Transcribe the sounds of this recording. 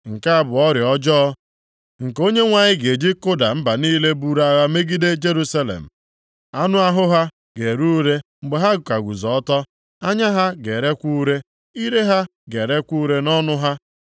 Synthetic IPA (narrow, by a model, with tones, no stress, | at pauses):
ŋ̩˨ka˦a˦bʊ˨ɔ˦ɾɪ˨ɔ˦d͡ʒɔ˦ | ŋ̩˨ko˦ɲe˦ŋʷa˨ɲɪ˦ɡe˨d͡ʒi˦kʊ˦da˨m̩˦ba˨niː˦le˦bu˦ɾa˦ɣa˦me˦ɡi˦de˦d͡ʒe˦ɾu˦sa˦lḛ˨m̩˨ | a˦nʊ˦a˦ɦʊ˦ɦa˦ | ɡe˨ɾu˦ɾe˦m̩˨ɡ͡be˨ɦa˦˨ka˨ɡʷu˨zɔ˨ɔ˦tɔ˦ | a˦ɲa˦ɦa˦ɡe˨ɾe˦kʷu˦ɾe˦ | i˦ɾe˦ɦa˦ɡe˨ɾe˦kʷu˦ɾe˦nɔ˦nʊ˦ɦa˦